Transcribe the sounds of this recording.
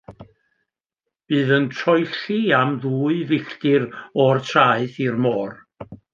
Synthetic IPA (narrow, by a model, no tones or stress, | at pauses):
b̥ɨːðəntʰrɔjɬiamðuːɨvɪɬtɪrɔrtʰraːɨθirmɔːr